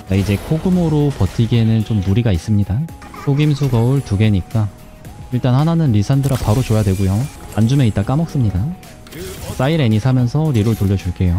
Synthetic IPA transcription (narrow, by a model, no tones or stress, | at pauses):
t͡ɕaid͡ʑe̞kʰoɡɯmoɾopʌtʰiɡenɯnt͡ɕomːuɾiɡais͈ɯmɲida | kʰoɡimsʰuɡʌɯɭtuɡe̞ɲik͈a | iɭt͈anhananɯnɾisʰandɯɾapaɾot͡ɕojadwe̞ɡojoand͡ʑume̞it͈ak͈amʌk̚s͈ɯmɲida | s͈aiɾe̞ɲisʰamjʌnsʰʌɾiɾoɭtoʎːʌd͡ʑuɭk͈e̞jo